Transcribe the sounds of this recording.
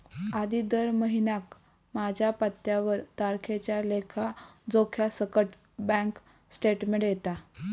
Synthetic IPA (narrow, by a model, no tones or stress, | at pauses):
ad̪id̪əɾməɦinjak | mad͡ʑʱjapət̪jaʋəɾt̪aɾkʰet͡ɕjalekʰad͡zokʰjasəkəʈ | bãŋk | sʈeʈmeɳjet̪a